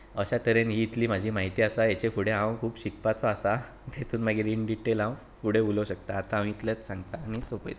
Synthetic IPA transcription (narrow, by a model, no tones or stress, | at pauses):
əɕat̪əɾenɦiːt̪liːm̤ad͡ʑʱiːmaɦit̪iːasajet͡ɕefuɽ̤eɦãwkʰuːpɕik̚pat͡sɔasa | t̪ʰet̪ʰuːnmaɡeɾiɳɖiʈelãw | fuɽ̤euləwɕək̚t̪aːt̪ãːm̤ĩːt̪lət͡ssãŋɡt̪aːñisopə̰jt̪